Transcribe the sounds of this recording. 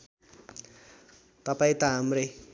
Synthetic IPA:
t̪ʌpaĩt̪aɦamre

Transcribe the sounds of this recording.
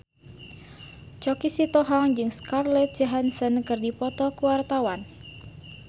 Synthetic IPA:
t͡ʃɔkisit̪ɔɦaŋd͡ʒɨŋskarlɛt̪̚d͡ʒaɦansənkɨrdipɔt̪ɔkuwart̪awan

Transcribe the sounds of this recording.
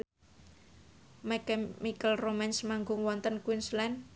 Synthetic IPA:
mɛkɛmikəlromɛnsmaŋɡʊŋwɔnt̪ənkwinslɛn

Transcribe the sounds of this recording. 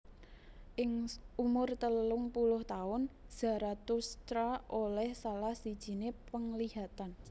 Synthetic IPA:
ʔɪŋumʊrt̪əlʊŋpulʊht̪aʊnz̥ä̤ɾat̪ust̪ɾaʔolɛhsalahsid̥ʒ̥i̤nepəŋliɦat̪an

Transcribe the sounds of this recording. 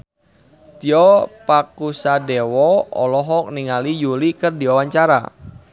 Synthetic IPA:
t̪iɔpakusadewɔɔ̰lɔɦɔkniŋalijulikərdiwawaɲt͡ʃaɾa̰

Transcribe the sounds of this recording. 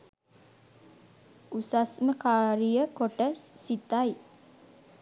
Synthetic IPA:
ʔusasməkaɾiəkɔɖɛsːit̪aj

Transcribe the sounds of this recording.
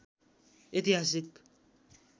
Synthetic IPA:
et̪iɦas̬ik

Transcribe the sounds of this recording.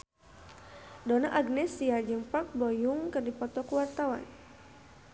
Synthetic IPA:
dɔna̰ʔaɡnɛsiad͡ʒɨŋpak̚bɔjuŋkɨrdipɔt̪ɔkuwart̪awa̰n

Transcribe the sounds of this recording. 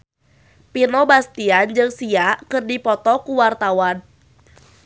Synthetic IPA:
pinɔbast̪iand͡ʒɨŋsiaʔkɨrdipɔt̪ɔkuwart̪awan

